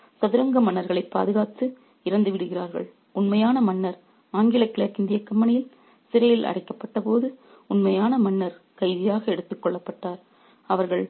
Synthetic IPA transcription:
sɐðɪɾɐŋɡɐmɐnːɐɾɣɐɭɐɪpːa̰ːðɯɣaːt̪ːɯ | ɪɾɐnd̪ɯʋɪɽɯɣɪraːɾɣɐ̰ɭ | ʊnmɐjaːnɐmɐnːɐɾ | aːŋɡɪlɐkːɪɭɐkɪnd̪ɪjɐkːɐmːɐɳɐjɪl | sɪɾɐjɪlʔɐ̰ɽɐɪkːɐpːɐʈːɐpoːðɯ | ʊnmɐjaːnɐmɐnːɐɾ | kɐɪðɪjaːɣɐɛɽɯt̪ːɯkːɔɭːɐpːɐʈːaːɾ | ɐʋɐɾɣɐɭ

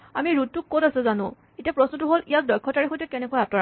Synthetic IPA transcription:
amiɹut̚tːukːotasɛzanʊ̰̃ | etiapɹɔsnɔtuɦolijak̚dɔjkʰːɔtaɹixotɛkɛnɛkuwajatɔ

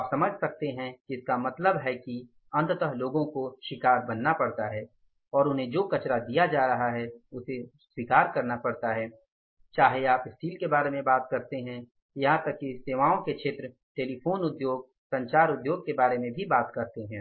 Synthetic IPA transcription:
aːpsɐməd͡ʒʱsɐk̚t̪eɦɛ̃ɪskamɐt̪ləbɦɛki | ɐ̃nt̪t̪əɦloːɡõkoʃɪkaːɾbɐnːapɐɽt̪aɦɛː | ɔːɾʊnɦẽd͡ʒoːkɐt͡ʃɾad̪ijad͡ʒaːɾɐɦaɦɛʊse | swikaːɾkɐɾnapɐɽt̪aɦɛː | t͡ʃaːɦeaːpɪsʈiːlkebaːɾemẽbaːt̪kɐɾt̪eɦɛ̃ | jɐɦãt̪ɐkːiseːʋaːõkeʃʰeːt̪ɾə | ʈeːlifoːnʊd̪joːɡ̚ | sɐ̃ɲt͡ʃaːɾʊd̪joːɡ̚kebaːɾemẽbʱibaːt̪kɐɾt̪eɦɛ̃ː

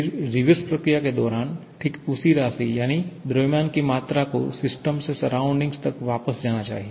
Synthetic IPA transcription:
ɾiʋəspɾəkɾijaked̪ɔɾanʈʰikusiɾasijañid̪ɾəmjankimat̪ɾakosɪsʈəmsesəɾauɳɖĩŋɡst̪əkʋapəsd͡ʒaɽ̃at͡ʃa̰ɦi

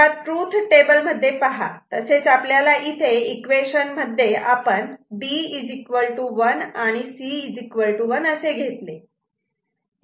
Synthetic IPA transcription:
at̪ɾut̪ʰʈebəlm̤əd̪ʱːjepaɦa̰t̪əset͡sapljalaʔit̪ʰeikʋeɕənməd̪ʱːjeʔapəɳɖiid͡zikʋəlʈuʋənaɽ̃isiid͡zikʋəɭʈuʋənəseɡʱet̪le

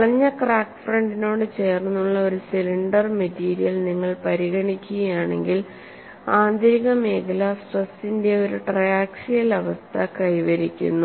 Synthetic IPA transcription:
ɭɐɲːɐkraːkfrɐɳɖino̞ːɽɨt͡ɕe̞ːrnːuɭːɐo̞ɾusiliɳɖɐrmetiːɾijɐlniŋːɐɭpɐɾiɣɐɳikʲːuɣɐjaːɳe̞̰ŋɡil | aːnd̪iɾiɣɐmeːɡɐlasrɐsinde̞o̞ɾuʈrɐjaːkʂijɐlɐʋɐst̪ʰɐkɐjʋɐɾikʲːṵnːu

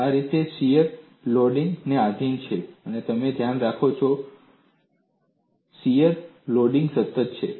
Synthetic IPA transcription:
aɾit̪esijəɾ | loɖiŋɡneaɡ̪ʱint͡ʃʰeənet̪əmed̪ʱjanɾakʰot͡ʃʰo | sijəɾloɖiŋɡsət̪ːət̪̚t͡ʃʰḛ

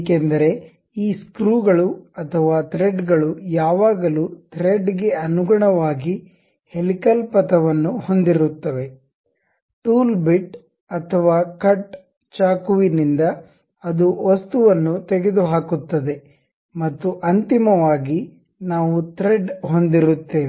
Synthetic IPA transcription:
kend̪ɐɾe̞ | iːskɾuːɡɐɭuɐt̪ʰɐʋaːt̪ɾeɖɡɐɭujaːʋaːɡɐluːt̪ʰɾeɖɡe̞ɐnuɡɐɳɐʋaːɡi | helikɐlpɐt̪ɐʋɐnːuho̞nd̪iɾut̪ːɐʋe̞ | ʈuːlbiʈ | ɐt̪ʰɐʋaːkɐʈ | t͡ʃaːkuʋinind̪ɐː | d̪uʋost̪uʋɐnːut̪eɡed̪uɦaːkut̪ːɐd̪e̞ | mɐt̪ːuʔɐnt̪imɐʋaːɡi | naːʋut̪ɾeɖɦo̞nd̪iɾut̪ːe̞ː

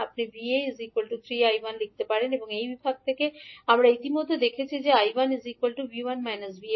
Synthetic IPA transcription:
apnibiezikolʈut̪ʰɾiajbanlik̚t̪epaɾeneboŋejbibʱaɡ̚t̪ʰekeamɾait̪imod̪ʱːed̪ekʰet͡ɕʰid͡ʑeajbanzikwolʈubiwanmajnosbi

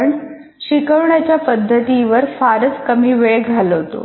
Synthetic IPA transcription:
ɳ | ɕikəʋɳjat͡ɕjapəd̪ʱːət̪iʋəɾfaɾət͡skəmiːʋeɭɡʱaloɦot̪o̰

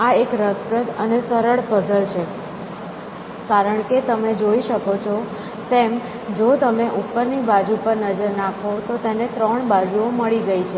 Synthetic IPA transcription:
aekɾəspɾət̪ənesəɾəɭfəd̪əlt͡ʃʰe | kaɾəɳket̪əmed͡ʒoiʃəkot͡ʃʰɔ | t̪em | d͡ʒot̪əmeʔupːəɾnibad͡ʒupəɾnəd͡ʒəɾnakʰot̪ot̪enet̪ɾəɳbad͡ʒuoməɭiɡəit͡ʃʰe

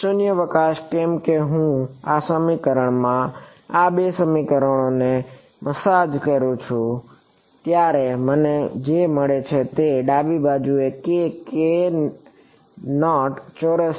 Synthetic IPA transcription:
sʊnjəʋəkaʃkɛmkeɦũasəmikəɾəɳ̃mã | abesəmikəɾəɳ̃one | məsad͡ʒkəɾũt͡ʃʰũ | t̪jaɾeməned͡ʒeməɭet͡ʃʰet̪eɖabibad͡ʒuekeke | nɔʈt͡ʃoɾəs

